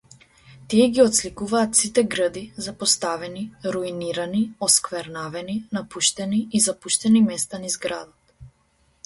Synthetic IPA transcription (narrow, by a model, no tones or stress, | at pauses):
t̪iɛɡʲiɔt̪slikuvaːt̪sit̪ɛɡɾəd̪izapɔst̪avɛniɾuiniɾaniɔskvɛɾnavɛninapuʃt̪ɛniizapuʃt̪ɛnimɛst̪anizɡɾa̰d̪ɔt̪